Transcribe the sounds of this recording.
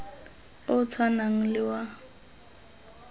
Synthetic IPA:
ʊt͡sʰwanaŋ̩lɪwa

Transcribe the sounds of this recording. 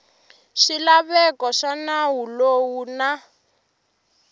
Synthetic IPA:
ʃilaβɛkɔʃanawulowuna

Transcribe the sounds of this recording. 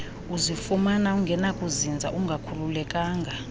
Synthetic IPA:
uzifumanauŋɡʱɛnakʼuzind͡zʱa̰ʔuŋɡʱakʰululɛkʼaːŋɡʱa

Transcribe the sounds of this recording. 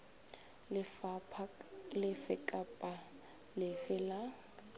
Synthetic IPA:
ɪfapʰlɪfɪkʼapʼa | lɪfɪla

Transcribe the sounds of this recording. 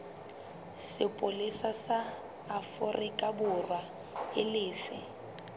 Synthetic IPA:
sɪpʼʊlɪsasaː | fʊrʔɪkʼabʊrwa | ɪlɪːfɪ

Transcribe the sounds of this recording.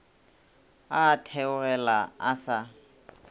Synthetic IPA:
aːtʰɛʊrɛlaasa

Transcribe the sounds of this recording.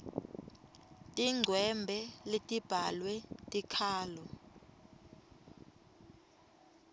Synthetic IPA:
tʼiŋ͡ǀʱwɛmbʱɛletʼib̥ʱalwɛtʼikʰaːlɔ

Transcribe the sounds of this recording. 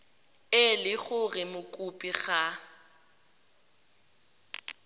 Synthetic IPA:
ɪlɪɣʊrɪmʊkʼupʼiɣa

